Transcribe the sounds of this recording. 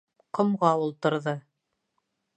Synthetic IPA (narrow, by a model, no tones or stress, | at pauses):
qŏmʁɑulˠt̪ɤ̆ɾðɤ